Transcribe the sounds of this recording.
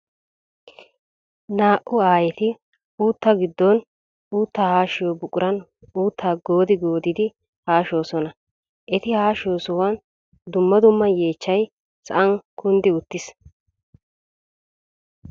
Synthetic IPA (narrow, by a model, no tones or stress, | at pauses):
naːʔʊaːjɛt̪ɪ | uːt̪ːɐɡɪd̪ːɔn | uːt̪ːaːhaːʃɪjɔbʊkʼːʊɾɐn | uːt̪ʰːaːɡo̞ːd̪ɪɡo̞ːd̪ɪd̪ɪ | haːʃo̞ːsɔnɐ | ʔɛt̪ɪhaːʃo̞ːsɔwɐn | d̪ʊmːɐd̪ʊmːɐje̞ːt͡ʃːɐj | sɐʔɐŋkʊnd̪ɪʊt̪ːɪs